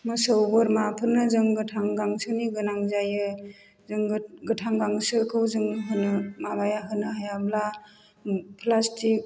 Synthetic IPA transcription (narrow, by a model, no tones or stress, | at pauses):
mɯsəwbɯɾmapʰɯnːɯzɯŋɡɯtʰaŋɡaŋsɯniɡɯnaŋzajɯ | zɯŋɡɯtʰaŋɡaŋsɯkʰɯwzɯŋɦɯnɯmabajaɦɯnɯɦajabla | pʰlastik̚